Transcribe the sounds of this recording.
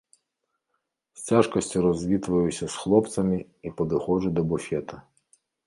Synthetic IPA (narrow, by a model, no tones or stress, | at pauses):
sʲt͡sʲaʒkɔsʲtʲiɾɔzʲʋʲit̪ʋɐjʊsʲɐsxlˠɔpt̪sɐmi | ipɔd̪ɪxɔʒʊd̪ɔbʊfʲɛt̪ɐ